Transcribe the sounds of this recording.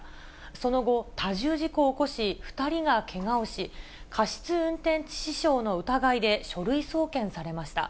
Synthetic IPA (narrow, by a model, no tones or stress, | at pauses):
so̞no̞ɡo̞t̪aʑɨːʑiko̞ːko̞ɕiɸɯ̟̥t̪aɾʲiɡakʰe̞ŋaoɕikʰaɕi̥t͡sɨɯ̟̃nt̪ẽ̞ɲ̟t͡ɕi̥ɕiɕo̞ːno̞ɯ̟t̪aɡaid̪e̞ɕo̞ɾɯ̟iso̞ːkẽ̞ɰ̃saɾe̞maɕi̥t̪a̰